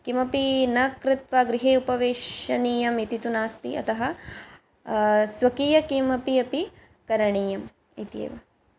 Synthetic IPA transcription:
kimɐpinɐkɾɪt̪ʋaːɡɾiɦeːupɐʋeːʃɐniːjɐmit̪it̪unaːst̪ḭʔɐ̰t̪ʰɐɦɐ | sʋɐkiːjɐkimɐpiɐpi | kɐɾɐɳiːjɐm | it̪ḛːʋɐ

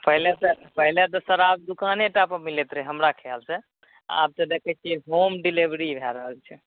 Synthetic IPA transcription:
pəɦlet̪ɔ | pəɦilet̪ɔsəɾab̚d̪ukaneʈapəmilet̪ɾəɦəmɾakʰeəlsɛ | a̰p̚t̪əd̪ɛkɛkeɦomɖilibɾibʱɛɾəɦəlt͡ʃʰɛ

